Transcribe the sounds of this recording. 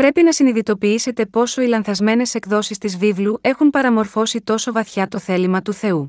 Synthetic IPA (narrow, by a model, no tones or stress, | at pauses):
pɾe̞pinɐsiniðit̪o̞piise̞t̪e̞po̞so̞ilɐnθɐzme̞ne̞se̞kðo̞sist̪izvivlue̞xunpɐɾɐmo̞ɾfo̞sit̪o̞so̞vɐθçɐt̪o̞θe̞limɐt̪uθe̞u